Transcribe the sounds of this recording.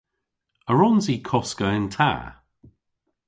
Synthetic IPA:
əɹɔnzikʰɔskəɪ̃ntʰa̰ː

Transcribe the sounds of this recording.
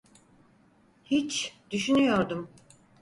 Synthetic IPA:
hit͡ʃd̪̥yʃynyjo̞ɾd̪um

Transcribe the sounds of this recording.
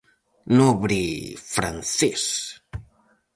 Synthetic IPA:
noβɾifɾa̰nθɛs

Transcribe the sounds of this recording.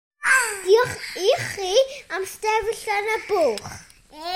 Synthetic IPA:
diɔχiχːiamstɛvəɬanab̥oːχ

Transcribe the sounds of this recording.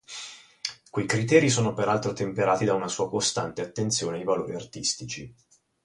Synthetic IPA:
kwejkɾit̪̬ɛːɾisoːnopeɾalt̪ɾot̪empeɾaːt̪id̪aunasuːakost̪a̰nt̪eat̪ːent̪sjoːneajvaloːɾiart̪ist̪it͡ʃi

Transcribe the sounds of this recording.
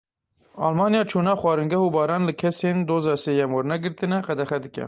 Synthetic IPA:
ɑ̰ːlmɑːnijɑːt͡ʃʰuːnɑːxwɑːɾɨŋɡɛhuːbɑːɾɑːnlɨkʰɛseːnd̪oːzɑːseːjɛmwɛɾnɛɡɨɾt̪ɨnɛqɛd̪ɛxɛd̪ɨkʲɛ̰

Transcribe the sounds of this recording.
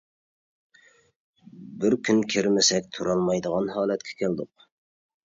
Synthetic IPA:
bɪɾkʲʰynkʲʰiɾmɪsɛk̚ʲt̪ʰuɾɑlˠmɑjd̪əʁɑnhɑːlɛt̪kʲʰɛ̥kʲʰæld̪ʊq

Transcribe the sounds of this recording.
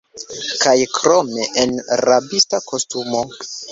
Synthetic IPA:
kajkɾo̞me̞ʔenɾabistako̞stumo̞

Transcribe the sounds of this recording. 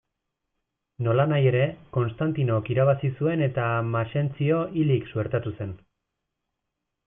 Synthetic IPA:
no̞lanaje̞ɾe̞ko̞nst̪ant̪ino̞kiɾaβasisue̞ne̞t̪amaʃe̞nt͡sio̞ʔiliksueɾt̪at̪use̞n

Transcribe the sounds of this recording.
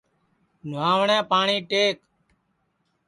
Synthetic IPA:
nʊaːʋɳɛ̃ːpaːɳiːʈeːk

